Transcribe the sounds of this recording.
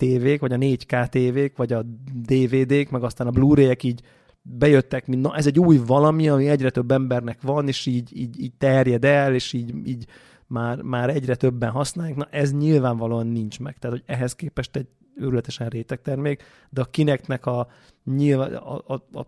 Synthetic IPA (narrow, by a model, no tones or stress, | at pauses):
t̪eːveːkʋɒɟɒneːɟkaːt̪eːveːkʋɒɟɒd̪eːveːd̪eːkmɛɡɒst̪aːnɒbluːɾeːjɛkiːɟ | bɛjøt̪ːɛkminnɒʔɛzɛɟːuːjvɒlɒmiɒmiɛɟrɛt̪ø̞bːɛmbɛrnɛkʋɒneːʃiːɟiːɟiːɟ̚t̪ɛrjɛd̪ɛleːʃiːɟiːɟ | maːrmaːɾɛɟrɛt̪ø̞bːɛnɦɒsnaːjaːknɒʔɛzɲilvaːɱvɒloːɒnːint͡ʃmɛkt̪ɛaːt̪hoɟɛɦɛskeːpɛʃt̪ɛɟ | øɾylɛt̪ɛʃɛnreːt̪ɛk̚t̪ɛrmeːk | d̪ɛɒkinɛknɛkɒ | ɲil̰ː